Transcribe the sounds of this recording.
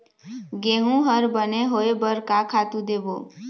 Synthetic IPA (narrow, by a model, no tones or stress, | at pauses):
ɡeɦũɦəɾbəneɦoebəɾkakʰat̪ũd̪ebo